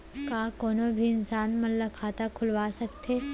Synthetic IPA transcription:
kakoːnobʱiɪnsaːnmɐnlɐkʰaːt̪akʰʊlʋaːsəkt̪ʰe

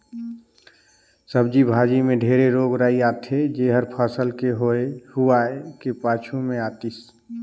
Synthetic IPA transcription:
səb̚d͡ʒibʱaːd͡ʒimẽɖʱeːɾeɾoːɡɾaːiaːt̪ʰed͡ʒeɦəɾpʰaːsəlkeɦoehuaɛkepaːt͡ʃʰumẽaːt̪is

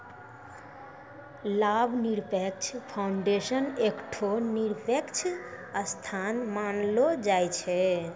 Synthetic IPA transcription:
labʱniɾpek̚t͡ʃʰpʰaʊɳɖesənekʈʰoniɾpekt͡ʃʰəst̪ʰanmanlod͡ʒajt͡ʃʰɛ

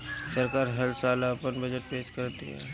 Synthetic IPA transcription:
səɾkaːɾɦɐɾsaːlapənbəd͡ʒəʈ̚peːd͡ʒkɐɾt̪ḭɦɛ̰ː

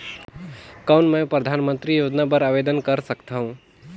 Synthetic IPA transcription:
kaʊnmə̃pɾəd̪ʱanmənt̪ɾijod͡ʒnabəɾabed̪ənkəɾsəkt̪ʰaɦũ

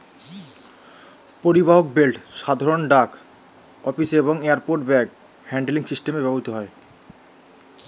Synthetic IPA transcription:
poɾibaɦok̚belʈʃad̪ʱaɾonɖak | ɔfiseβoŋeaɾpoɾʈbɛk | hɛɳɖeliŋsisʈemebɛboɦit̪oɦɔe

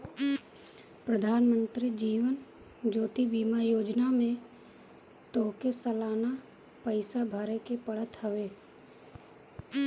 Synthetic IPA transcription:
pɾəd̪ʱaːnmə̃nt̪ɾid͡ʒiːʋən | d͡ʒoːt̪ibiːmajoːd͡ʒnamẽ | t̪oːkesəlaːna | pəɪsabʱaːɾekepəɽ̤ət̪ɦəʋeː

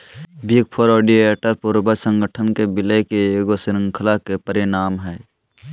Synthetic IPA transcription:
bʱik̚pʰoɾɔːɖieːʈəɾpuɾbəsə̃ŋɡəʈʰənkebɪlekeeːɡosɪɾə̃ŋkʰəlakepəɾɪnaːmɦɛː

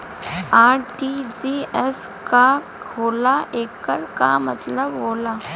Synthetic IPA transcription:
aɾʈid͡ʑieska | ɦolaʔekəɾka̰mət̪ləbɦola

